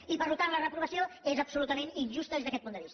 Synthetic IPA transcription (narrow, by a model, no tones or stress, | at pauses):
ipəɾlut̪anlərəpɾuβəsioezəpsulut̪əmeninʲʒust̪əezðəkɛt̪pund̪əβist̪ə